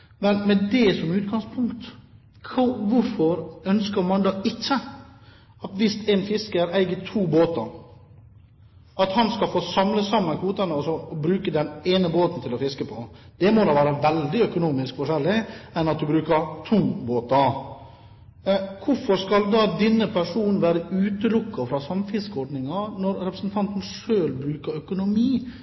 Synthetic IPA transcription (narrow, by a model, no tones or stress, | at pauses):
mɛnmɛd̪ɛsɔmʉːt̪̚ɡɑŋspʰʊŋkt̪ | kʰːʋʊɾfɔɾœnskəɾmɑnd̪ɑːɪt͡ʃːə | ɑt̪ʋɪst̪ʰɛnfɪskəɾæɪɡət̪ʰuːboːt̪əɾ | ɑt̪hɑnskɑlfoːsɑmləsɑmːənkʰʋuːt̪ənəɔsɔbɾʉːkəd̪ɛneːnəboːt̪n̩t̪ʰɪlɔfɪskəpʰɔd̪̥ɛmɔd̪ɑʋæːɾəʋɛld̪ɪœkʊnuːmɪskfɔʂɛlːɪɛnɑt̪̚d̪ʉbɾʉːkəɾt̪ʰuːboːt̪ɑ | kʰʊfɔɾskɑld̪ɑːd̪ɪnːəpʰæʂuːnn̩ʋæːɾəʉːt̪əlʊkːɑfɾɑsɑmfɪskɔɖnɪŋɑnɔɾɾɛpɾəsn̩t̪ʰɑnt̪n̩ʂøːlbɾʉːkəɾœkʊnʊmiː